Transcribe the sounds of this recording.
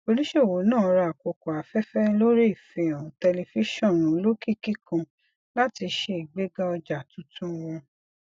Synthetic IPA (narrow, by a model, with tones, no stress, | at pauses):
o˧ɾi˦ʃe˦o˨wo˨˦nãː˦˨˧ɾa˧a˨ko˨kɔ˨a˨fɛ˦fɛ˦lo˦ɾe˦i˦˨fe˨ã˨tɛ˧le˧fi˦ʃɔ̃˦˨ɾ̃ũ˨˦lo˦ki˦˨ki˦kã˨ | la˦ti˧ʃe˧i˨ɡ͡be˦ɡa˦ɔ˧d͡ʒa˨tũ˨˦tʰũ˦wɔ̃˧